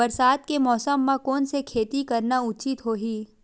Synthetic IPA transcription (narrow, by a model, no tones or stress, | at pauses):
ɐɾsaːd̪kemɔːsəmːãkɔːnsekʰeːt̪ikɐɾnaʊt͡ʃɪt̪ɦoːɦiː